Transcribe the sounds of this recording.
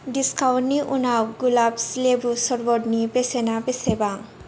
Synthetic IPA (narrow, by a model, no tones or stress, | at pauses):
ɖiskawʈniʔunawɡulabslebusɔɾbɔɖnipesenapesebaŋ